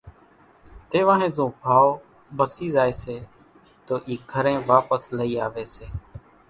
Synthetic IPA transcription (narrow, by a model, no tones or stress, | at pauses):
t̪eːʋãːɦẽːzõːbʱaːo | bəsiːzaːeːseː | t̪oːʔiːɡʱəɾẽːʋaːpəsləiːaːʋeːseː